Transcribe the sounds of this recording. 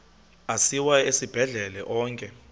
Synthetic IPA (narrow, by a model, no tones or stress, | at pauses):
asiwaesib̥ʱɛɮɛlɛʔɔːŋkʼɛ